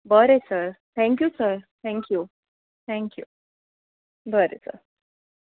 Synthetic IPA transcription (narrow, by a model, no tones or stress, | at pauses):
bʱəɾesəɾt̪ʰɛ̃ŋkjusəɾt̪ʰɛ̃ŋkju | t̪ʰɛ̃ŋkjṵ | bʱəɾḛsə̰ɾ